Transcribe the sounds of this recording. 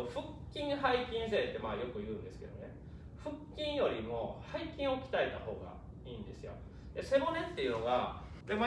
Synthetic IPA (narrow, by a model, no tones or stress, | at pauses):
ɸɯ̟kʲːĩɰ̃ɦaikʲĩɰ̃se̞ːt̪ːe̞maːjo̞kɯ̟jɯ̟ːnd̪e̞sɨ̥ke̞d̪o̞̰ne̞ | ɸɯ̟kʲːĩɰ̃jo̞ɾʲimo̞haikʲĩɰ̃o̞kʲi̥t̪aet̪aho̞̰ːɡa̰ | iːnd̪e̞sɨjo̞̰ | d̪e̞se̞mo̞nẽ̞t̪ːe̞jɯ̟no̞ɡa | kɾemo